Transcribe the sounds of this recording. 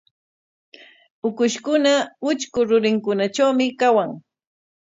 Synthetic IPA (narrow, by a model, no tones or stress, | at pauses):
ʊkʊʃkʊnaʊt͡ʃkʊɾʊɾɪŋkʊnat͡ʃawmɪkawaŋ